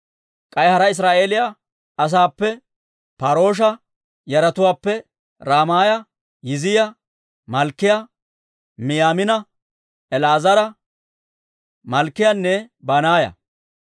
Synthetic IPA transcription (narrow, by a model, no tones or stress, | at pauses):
kʼɐjhɐɾɐɪs̬ɾaːʔe̞ːlɪja | ɐs̬aːpːɛ | paːɾo̞ːʃ̬ɐ | jɐɾɐt̪ʊwaːpːɛ | ɾaːmaːjɐ | jɪzɪjɐ | mɐlkːɪjɐ | mɪjaːmɪnɐ | ɛlaːzɐɾɐ | mɐlkːɪjanːɛbaːnaːjɐ̰